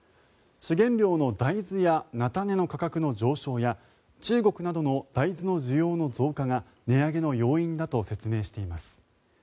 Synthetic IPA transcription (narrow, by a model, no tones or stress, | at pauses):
ɕiɡẽ̞nɾʲo̞ːno̞d̪aid͡zɨjanat̪ane̞no̞kakakɯ̟no̞d͡ʑo̞ːɕo̞ːja | t͡ɕɨːɡo̞kɯ̟nad̪o̞no̞d̪̥aizɨno̞ʑijo̞ːno̞zo̞ːkaŋa | ne̞aɡe̞no̞jo̞ːĩnd̪at̪o̞se̞t͡sɨme̞ːɕi̥t̪e̞imasɨ̥